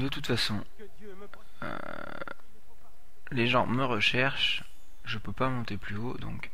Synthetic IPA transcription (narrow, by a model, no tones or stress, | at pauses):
d̪ət̪ut̪fasɔ̃ | ø̰ | leʒɑ̃məʁəʃɛʁʃ | ʒəpøpamɔ̃t̪eplyod̪ɔ̰̃k